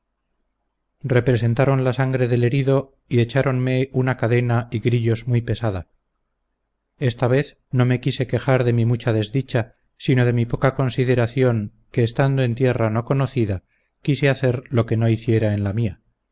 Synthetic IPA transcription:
re̞pɾe̞s̬ent̪aɾo̞nlasaŋɡɾe̞ðe̞le̞ɾiðo̞ | ie̞t͡ʃaɾo̞nme̞unakaðe̞naiɣɾiʎo̞zmujpe̞saða | e̞st̪aβ̞e̞θ | no̞me̞kise̞ke̞xaɾðe̞mimut͡ʃaðe̞zðit͡ʃa | sino̞ðe̞mipo̞kako̞nsiðeɾaθjo̞ŋ | keːst̪and̪oe̞nt̪je̞rano̞ko̞noθiða | kiseaθe̞ɾlo̞ke̞no̞iθje̞ɾae̞nlamia

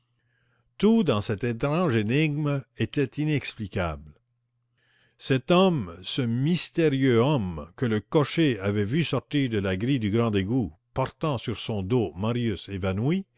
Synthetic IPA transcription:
t̪ud̪ɑ̃sɛt̪et̪ɾɑ̃ʒeniɡmet̪ɛt̪inɛksplikabl | sɛt̪ɔmsəmist̪eʁjøɔmkələkɔʃeavɛvysɔʁt̪iʁd̪əlaɡʁid̪yɡʁɑ̃d̪eɡupɔʁt̪ɑ̃syʁsɔ̃d̪omaʁjysevanwi

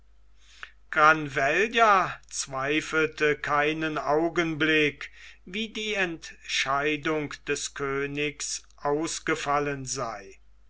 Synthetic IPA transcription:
ɡ̥ʁanvɛljat͡sv̥aɪfl̩təkʰaɪnənaʊɡənblɪkviːdiːɛntʃaɪdʊŋkd̥ɛskʰøːnɪksʔaʊsɡ̥əfalənzaɪ

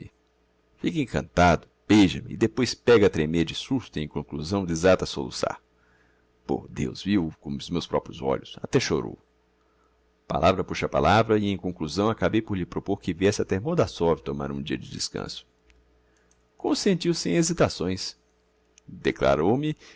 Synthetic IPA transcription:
ɪ | fikẽkɐ̰̃nt̪ad̪ʊb̥eʒɐmɪːd̪epojspɛɡɐt̪ɾemeɾd͡ʒɪsuɾt̪ʊẽj̃kõŋkluzɐ̃w̃d̪ɪezat̪ɐsolṵsa̰ | po̰d̪ewzviwkõmʊzmewspɾɔpɾjʊzɔ̰ʎʊsat̪ɛʃoɾo̰w | pa̰lʔavɾɐpuʃɐpa̰lʔavɾɐɪẽj̃kõkluzɐ̃w̃akabejpoɾʎɪpɾopoɾkɪviɛsɪɐt̪emoɾd̪asɔvɪt̪oma̰ɾũd͡ʒiɐd͡ʒɪdɪskɐ̰̃sʊ̥ | kõsẽnt͡ʃiwsɪẽezit̪asõj̃s | d̪ekla̰ɾowmɪ

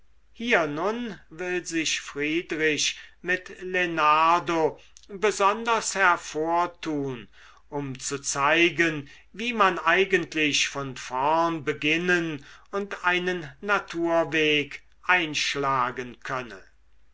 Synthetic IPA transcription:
hiːɐnʊnvɪlzɪʃfʁiːdʁɪʃmɪtlenaɐdo | bəzɔndɐshɛɐfoːɐtʰuːn | ʔʊmt͡sut͡saɪɡən | viːmanaɪɡəntʰlɪɕfɔnfɛɐnbəɡɪnənʊntaɪnənːatʰuːɐveːk | ʔaɪnʃlaːɡənkʰœnə

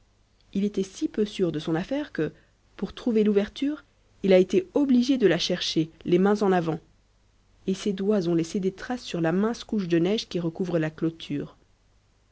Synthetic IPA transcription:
ilet̪ɛsipøsyʁd̪əsɔ̃nafɛʁkə | puʁt̪χuveluvɛʁt̪yʁ | ilaet̪eɔbliʒed̪əlaʃɛʁʃelemɛ̃zɑ̃navɑ̃ | esed̪wazɔ̃lesed̪et̪χasːyʁlamɛ̃skuʃd̪ənɛʒkʲiʁəkuvʁəlaklot̪ʰyːʁ

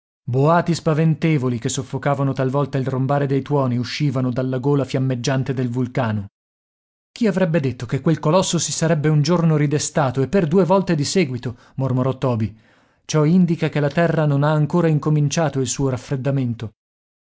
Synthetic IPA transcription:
boaːt̪ispavent̪eːvolikesːofːokaːvanot̪alvɔlt̪ailrombaːɾed̪ejt̪wɔːniuʃːiːvanod̪alːaɡoːlafjamːed͡ʒːant̪ed̪elvulkaːno | k̟iavɾɛbːed̪et̪ːokekːwelkolɔsːosisaɾɛbːeund͡ʒornoɾid̪est̪aːt̪oepːerd̪uːevɔlt̪ed̪isɛːɡwit̪o | mormoɾɔt̪ːɔːbi | t͡ʃɔind̪ikakelat̪ɛrːanonaːŋkoːɾaiŋkomint͡ʃaːt̪oilsuːoɾafːɾed̪ːament̪o

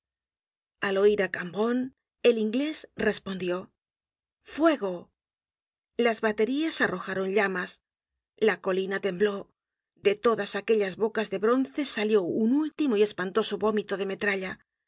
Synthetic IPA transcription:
alo̞iɾakambo̞n | e̞liŋɡle̞sre̞spo̞nd̪jo̞ | fwe̞ɣo̞ | lazβat̪e̞ɾiasaro̞xaɾo̞nʎamas | lako̞linat̪e̞mblo̞ | d̪e̞t̪o̞ðasake̞ʎazβo̞kazðe̞βɾo̞nθe̞saljo̞unult̪imoie̞spant̪o̞soβo̞mit̪o̞ðe̞me̞t̪ɾaʎa

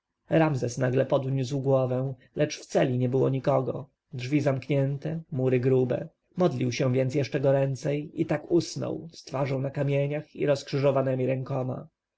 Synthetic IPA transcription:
ɾamzɛsnaɡlɛpɔd̪ɲus̬wɡwɔvɛ̃w̃ | lɛt͡ʂft̪sɛlʲiɲɛbɘwɔɲikɔɡɔ̰ | dʐvʲizamkɲɛnt̪ɛmuɾɘɡɾubɛ̰ | mɔd̪lʲiwɕɛ̃vʲjɛnsjɛʂt͡ʂɛɡɔɾɛnt̪sɛjit̪akusnɔ̰wst̪faʐɔ̃w̃nakamʲjeɲaxḭɾɔskʂɘʐɔvanɛmʲiɾɛŋkɔma̰

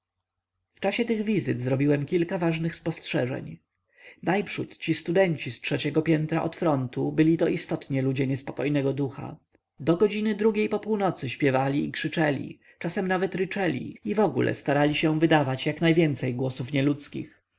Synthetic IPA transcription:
ft͡ʂaɕɛt̪ɘɣvʲizɘt̪zɾɔbʲiwɛmkʲilkavaʐnɘxspɔstʂɛʐɛ̰ɲ | najpʂut̪t͡ɕist̪ud̪ɛɲt͡ɕistʂɛt͡ɕɛɡɔpʲjɛnt̪ɾaʔɔt̪fɾɔnt̪ubɘlʲit̪ɔʔist̪ɔt̪ɲɛlud͡ʑɛɲɛspɔkɔjnɛɡɔd̪uxa̰ | d̪ɔɡɔd͡ʑinɘd̪ɾuɡʲejpɔpuwnɔt̪sɘɕpʲjɛvalʲiikʂɘt͡ʂɛlʲḭ | t͡ʂasɛmnavɛt̪ɾɘt͡ʂɛlʲḭivɔɡṵlʔɛ̰st̪aɾalʲiɕɛvɘd̪avat͡ɕjaknajvʲjɛnt̪sɛjɡwɔsufɲɛlut̪skʲḭx

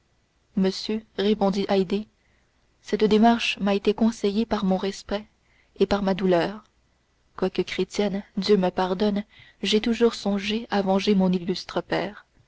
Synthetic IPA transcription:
məsjøʁepɔ̃d̪iʔajd̪e | sɛt̪d̪emaʁʃmaet̪ekɔ̃sɛjepaʁmɔ̃ʁɛspɛ | epaʁmad̪ulœːʁ | kwakəkχet̪jɛnd̪jøməpaʁd̪ɔnʒɛt̪uʒuːʁsɔ̃ʒeavɑ̃ʒemɔ̃nilːyst̪χəpɛːʁ

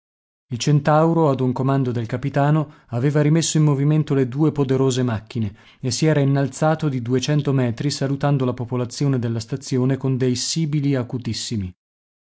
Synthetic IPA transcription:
ilt͡ʃent̪awɾoad̪uŋkomand̪od̪elkapit̪aːnoaveːvaɾimesːoimːoviment̪oled̪uːepod̪eɾoːzemakːine | esːiɛːɾainːalt̪saːt̪od̪id̪uet͡ʃɛnt̪omɛːt̪ɾisalut̪and̪olapopolat̪sːjoːned̪elːast̪at̪sːjoːnekond̪ejsiːbiliakut̪isːimi

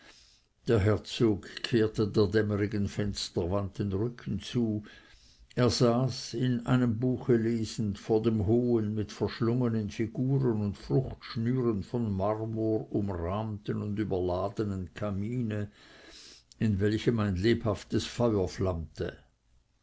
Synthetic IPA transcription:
d̥eːɐɦɛɐt͡soːkkʰːeːɐtədeːɐdɛməʁiɡənfɛnstɐvant̚denʁʏkʰn̩t͡suː | eːɐzaːsɪnʔa̰ɪnəmbuːxəleːzn̩tfoːɐdeːmɦoːənmɪtfɛɐʃlʊŋənənfiɡuːʁənʊntfʁʊxtʃnyːʁənfɔnmaʁmuːʁʊmʁaːmtənʊndyːbɐlaːd̪ənənkʰamiːnə | ɪnvɛlçəmaɪnleːphaftəsfɑʏɐflamtə

